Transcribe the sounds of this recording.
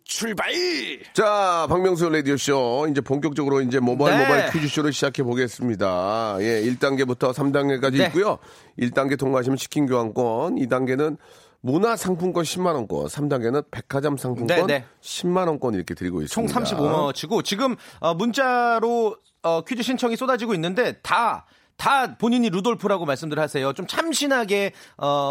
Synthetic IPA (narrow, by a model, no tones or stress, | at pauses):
t͡ɕʰuɭbait͡ɕapaŋmjʌŋs̬ʰooɭedioɕ͈oind͡ʑe̞poŋk̬͈jʌk̚t͡ɕ͈ʌɡɯɾoind͡ʑe̞mʌbaɭmobakʰɥid͡ʑuɕ͈ʰiɾɯɭɕʰid͡ʑakʰe̞boɡe̞s͈ɯmɲidaje̞iɭt͈aŋɡe̞butʰʌsʰamdaŋɡek͈ad͡ʑiːk͈ujo | iɭt͈aŋɡe̞toŋmaɕ̬ʰimɯɭɕʰi̥kʰinɡjoɦank͈wʌnidaŋɡe̞nɯn | munasʰaŋpʰuŋk͈wʌnɕʰimːanʌnk͈wʌ̰nsʰamdaŋɡe̞nɯnpe̞kʰad͡ʑamsʰaŋpʰuŋwʌneɕʰimːanʌnk͈wʌniɾʌkʰe̞tɯɾiɡo̰is͈t͡ɕʰoŋsʰamɕ͈ʰibomʌt͡ɕʰiɡot͡ɕiɡɯmʌmunt͡ɕ͈aɾo | ʌkʰud͡ʑuɕʰint͡ɕʰʌŋis͈odad͡ʑiɡoinːɯnde̞ta | tapoɲiɲiɾudoɭpʰuɾaɡomaɭs͈ɯmdɯɾɭhasʰe̞jot͡ɕomt͡ɕʰamɕʰinɦaɡe̞ʌ